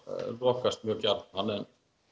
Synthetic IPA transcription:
lɔːkast̪̚mjœːcaɾnhanːɛn

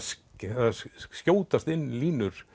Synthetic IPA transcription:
scaðascoːwt̪ast̪ɪnːliːnʏɾ̥

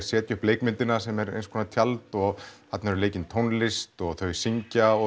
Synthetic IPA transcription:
sjɛːt̪ʏhpleːjkmɪnt̪ɪnasɛmɛɾḛjnskʰɔːnat̪ʰjalt̪ɔɣhat̪naɛɾʏleːjcɪnt̪ʰownlɪst̪ɔɣθœɥsiɲcaɔ

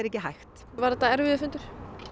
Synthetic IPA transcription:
ɛɾɛhcːɪɦajxt̪ | vaɾðɛt̪ːaɛɾvɪðʏfʏnt̪ʏɾ̥

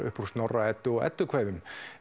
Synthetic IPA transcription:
ʏ̰hpuɾ̥snɔrːaɛt̪ːʏɔɛ̰t̪ːʏkʰvaːjðʏm

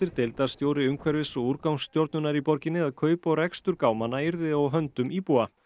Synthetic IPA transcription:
ɪɾ̥t̪ɪlt̪ḁst̪joːwɾɪʏmkʰvɛɾvɪsɔuɾkawnsːt̪jowɾt̪nʏnaɾipɔɾcɪnːɪðaðkʰœːɥpɔɣrɛkst̪ʏɾkaːwmanːaiɾðɪðɔwɦœnt̪ʏmipua

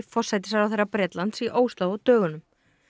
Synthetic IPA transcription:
fɔr̥sajt̪ɪ̥saɾawθejrːapɾɛːt̪lant̪siʔoːwst̪laːwɔt̪œːɣʏnʏm

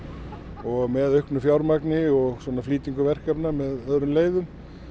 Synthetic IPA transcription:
ɔɣmɛðœɥhknʏfjawɾmaknɪɔɣswɔnafliːt̪iŋkʏvɛr̥kapnamɛðœðɾʏmleːjðʏm

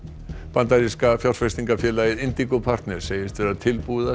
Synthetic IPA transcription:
pant̪aɾiskafjaw̪sfɛst̪iŋkafjɛːlaːjɪðɪnt̪ikʊpʰar̥t̪nɛɾ̥seːjɪst̪fɛɾat̪ʰɪlpuða

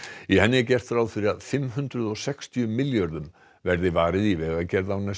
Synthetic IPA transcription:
ihɛnːɪcɛr̥t̪fɾaːwðfɪɾɪaðfɪmɦʏnt̪ɾʏðɔɣsɛkst̪ʰjʏmɪljœɾðʏm | vɛɾðɪvaːɾɪðivɛːɣacɛɾðawna

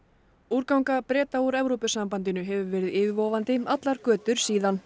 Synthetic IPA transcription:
uːɾkawŋkapɾɛːt̪auɾɛvɾopʏsampant̪ɪnʏɦɛvʏvɛːɾɪðɪːvɪvɔwvant̪ɪat̪laɾ̥kœːt̪ʏɾ̥siːðan

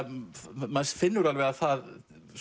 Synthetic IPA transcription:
mansfɪnːʏɾalvɛɣaθað

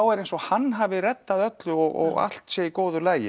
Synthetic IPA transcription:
awɛɾejnsɔɣhanːɦaːvɪrɛt̪ːaðœt̪lʏɔɣɔ̰ɣa̰l̥t̪sjɛikoːwðʏlaːjɪ̰

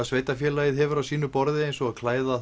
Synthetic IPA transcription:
sveːjt̪afjɛːlajɪðɦɛvʏɾawsiːnʏpɔɾðɪejnsɔaðkʰlaːjða

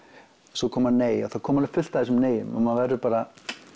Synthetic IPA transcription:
sɔkʰɔːmanneːja̰θaðkʰɔːmaɾɪfʏl̥t̪aðɛsʏmneːjʏ̰ma̰manvɛɾðʏpaːɾa

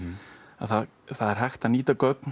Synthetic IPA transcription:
a̰ðθað | θaðɛɾ̥ɦajxt̪aniːt̪akœk̚n

